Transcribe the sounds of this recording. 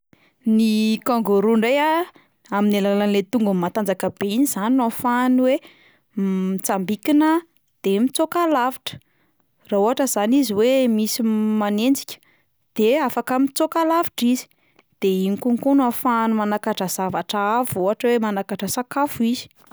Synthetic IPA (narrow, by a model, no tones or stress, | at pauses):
nikaŋɡoɾuɳɖ͡ʐeja | aminilalanlet̪uŋɡəmat̪and͡zakəb̥einiz̥aninafaniwe | it͡sambikinə | d̪̥emit͡sokalaviʈ͡ʂə̥ | rauɦaʈ͡ʂəzaniziwemisimanend͡zi̥kʲə̥ | d̪̥eafakəmit͡sokalavi̥ʈ͡ʂizi̥ | d̪̥einikuŋkunafanumanakaʈ͡ʂəz̥avaʈ͡ʂaavuɦaʈ͡ʂəwemanakaʈ͡ʂəsakafuizi̥